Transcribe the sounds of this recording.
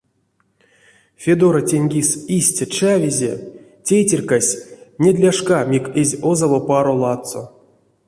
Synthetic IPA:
fʲed̪oɾatʲenʲɡʲisisʲtʲat͡ʃavʲizʲḛ | tʲejtʲerʲkasʲnʲed̪ʲlʲaʂkamʲikezʲozavopaɾolˠɑt̪so̰

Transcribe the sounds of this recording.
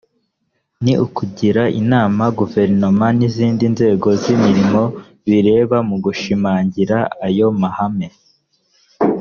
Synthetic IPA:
niukuɟiɾaʔḭnaːmaɡuve̞ɾno̞maniziːndinze̞ːɡo̞zimiɾimo̞ | βiɾe̞ːβamuɡuʃimaːɲɟiɾaajo̞mahame̞

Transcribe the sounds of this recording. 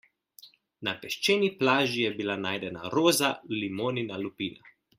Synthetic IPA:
napɛʃt͡ʃeːniplaːʒijɛbilanaːjd̪ɛna̰ɾoːzalimoːninalupiːna̰

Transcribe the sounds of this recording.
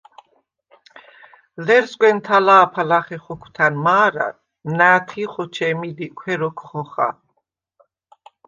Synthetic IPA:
lɛɾzɡʷʼwɛnt̪ʰalaːpʰalaχɛχɔkʰt̪ʰanmaːɾa̰ | naːt̪ʰiχɔt͡ʃʰɛmid̪ikʷʰwɛɾɔkʰχɔχa̰

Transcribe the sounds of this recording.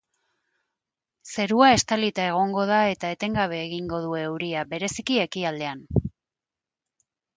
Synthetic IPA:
se̞ɾuae̞st̪alit̪ae̞ɣ̞o̞ŋɡo̞ð̞ae̞t̪ae̞t̪e̞ŋɡaβ̞e̞ːɣiŋɡo̞ð̞ue̞ːwɾiaβe̞ɾe̞sikie̞kiald̪e̞an

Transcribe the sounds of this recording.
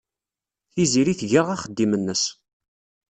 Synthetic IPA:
θiziɾiθʝəʁæχəd̪ːimənːəs

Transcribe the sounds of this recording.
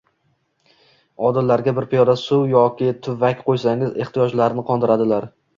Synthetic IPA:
ɒd̪ɪlːaɾɡʲabɪɾpʰijɒɾasʊwjɒkʲɪt̪ʰʊvakʲqʰojsaŋɪze̞χt̪ijɒd͡ʒlaɾnɪqʰɒnd̪ɪɾad̪ɪlaɾ

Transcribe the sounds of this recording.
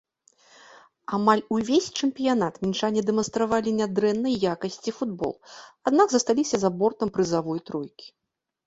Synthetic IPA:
amalʲuvʲesʲt͡ʂɛmpʲijanat̪mʲinʂanʲɛd̪ɛmɐnst̪ɾavalʲinʲad̪ɾɛnːɐjjakɐsʲt͡sʲifud̪̚bɔ̰lˠad̪naɡzɐst̪alʲisʲɐzabɔrt̪ɐmpɾɨzavɔjt̪ɾɔjkʲi̥

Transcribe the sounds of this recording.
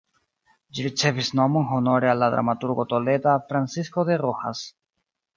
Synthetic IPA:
d͡ʒiɾit͡se̞visno̞monɦo̞no̞ɾealːad̪ɾa̰matuɾɡo̞t̪o̞le̞d̪afɾansiskod̪e̞roha̰s

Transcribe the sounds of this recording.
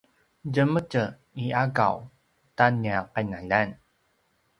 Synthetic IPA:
ɟəməcə | iaɡa̰w | taniaqajnaʎan

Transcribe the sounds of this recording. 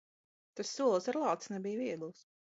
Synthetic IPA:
t̪asːuɔlˠsaɾlˠɑːt̪snɛbijviɛd̪ulˠs

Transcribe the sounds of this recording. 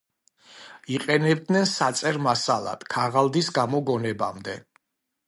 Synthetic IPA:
iqʼɛnɛb̚d̪nɛnsat̪sʼɛɾmasalˠa̰d̪̥kʰaʁalˠd̪isɡamɔɡɔnɛba̰md̪ɛ̰

